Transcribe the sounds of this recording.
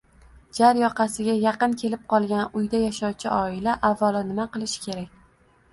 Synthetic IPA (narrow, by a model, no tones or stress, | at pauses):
d͡ʒaɾjɒqʰɑsɪɡʲajaqɨnkʲʰe̞lɪp̚qɒlˠɡʲanʊjd̪ajaʃɒwt͡ʃʰɪʔɒɪlaʔavːalˠɪnɪmaqɨlˠɪʃɪ̥kʲe̞ɾakʲ